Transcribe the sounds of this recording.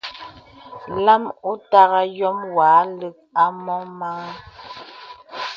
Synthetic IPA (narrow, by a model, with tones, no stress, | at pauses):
la˦mu˦ta˦ɣa˦jɔ˦mwa˨˦lə˦k̚a˦mɔ˦ma˦